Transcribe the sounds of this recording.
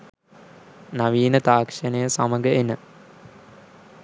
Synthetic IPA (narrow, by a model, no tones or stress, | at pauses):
naʋiːnət̪aːkʂənəjəsaməɡəenə